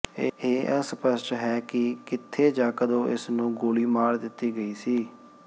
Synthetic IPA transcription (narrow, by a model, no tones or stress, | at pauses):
eːspəsʈɦɛːkɪkɪt̪ʰːeːd͡ʒãːkəd̪õːʔɪsnũːɡoːliːmaːɾd̪ɪt̪ːiːɡəiːsiː